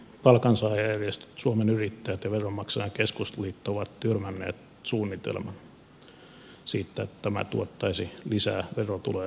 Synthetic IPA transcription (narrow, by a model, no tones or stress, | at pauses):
pɑlkɑnsɑiriest̪t̪suomenyrit̪ːæjæt̪jɑʋeromːɑksɑjɑŋkeskust̪liːt̪ːooʋɑt̪t̪yrmænːḛːt̪ | suːnːit̪ḛlmɑn | siːt̪ːæet̪t̪æmæ̰t̪uot̪ːɑisilisæːʋerot̪ṵleː